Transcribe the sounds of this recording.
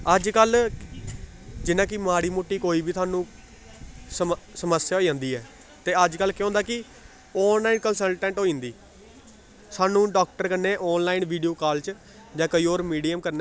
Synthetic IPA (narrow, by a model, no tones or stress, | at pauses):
əd͡ʒkəl | d͡ʒɪnãːk̬ɪmaːɽiːmʊʈːiːkoːiːbiːt̪ʰʊaːnũː | səsəməsjaːɦoːid͡ʒãːnd̪iːɛː | t̪eːəd͡ʒkəlkj̃õːnd̪aːkɪ | ɔːnlaːɪnkənsəlʈɛ̃ːɳʈɦoːĩnd̪iː | saːnũːɖɔːk̚ʈəɾkəɾneːʔɔːnlaːɪnʋiːɖijoːkaːlt͡ʃ | d͡ʒãːkəiːoːɾmiːɖiːəmkəɾneː